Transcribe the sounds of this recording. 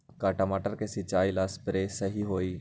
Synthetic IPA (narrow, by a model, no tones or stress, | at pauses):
kaːʈəmaːʈəɾkesɪt͡ʃaːilaːspɾesəɦiɦoːiː